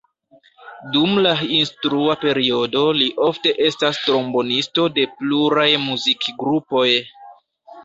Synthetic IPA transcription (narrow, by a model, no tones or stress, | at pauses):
dumlainstɾuape̞ɾio̞do̞liʔo̞fte̞ʔe̞stastɾo̞mbo̞nisto̞de̞pluɾajmuzikɡɾupo̞j